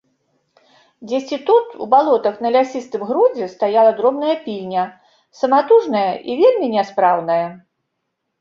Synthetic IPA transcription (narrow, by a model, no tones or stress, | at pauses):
d͡zʲesʲt͡sʲit̪ut̪ṵbalˠɔt̪ɐxnɐlʲasʲist̪ɨmɣɾud͡zʲɛst̪ajalˠɐd̪ɾɔmnɐjɐpʲilʲnʲɐ | sɐmat̪uʐnɐjɐʔivʲelʲmʲinʲɛspɾawnɐjɐ